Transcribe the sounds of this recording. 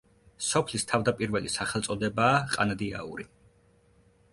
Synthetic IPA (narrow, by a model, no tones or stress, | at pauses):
sɔpʰlist̪ʰavd̪apʼiɾvɛlisaχɛlˠt̪sʼɔd̪ɛbaːqʼanad̪ia̰ṵɾi